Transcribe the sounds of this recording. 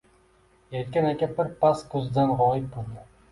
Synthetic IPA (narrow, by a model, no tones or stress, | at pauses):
jajt̪̚kʲanakʲabɪɾpʰaskʰɵzd̪anʁɒjɪt̪̚bolˠd̪ɪ